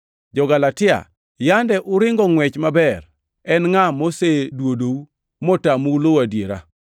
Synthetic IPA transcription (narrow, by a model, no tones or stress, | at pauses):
d͡ʒɔɡalatɪa̰ | jandɛʔʊɾɪŋɡɔŋwɛt͡ʃmabɛr | ɛnŋamosedwodou | mɔtamulowadjeɾa̰